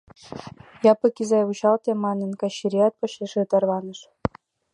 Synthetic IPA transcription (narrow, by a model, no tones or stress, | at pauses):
jɑpɤ̆kʲizɑjβuɕɑlt̪ʲemɑnʲɤ̆nkɑɕːiɾʲiɑt̪̚pɤ̆ɕeʂet̪ɑrβɑnɤ̆ʂ